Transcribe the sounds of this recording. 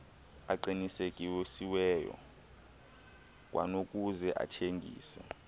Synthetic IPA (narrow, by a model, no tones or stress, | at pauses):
aǃinisekʼiwesiwɛːjɔ̰ | k̬ʼwʔa̰nokʼuzɛʔa̰tʰeŋɡʱḭːsɛ